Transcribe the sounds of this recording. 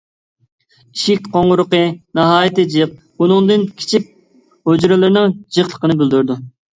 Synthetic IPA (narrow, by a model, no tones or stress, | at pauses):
iʃikʲqʰoŋʁʊɾʊqɨnɑɦɑːjit̪ɨd͡ʒiq̚ | unɨŋd̪ɨnkʲʰi̥t͡ʃʰik̚ʲ | hod͡ʒɾɨlˠɨɾnɨŋd͡ʒiχlˠə̥qənɨbyld̪uɾd̪u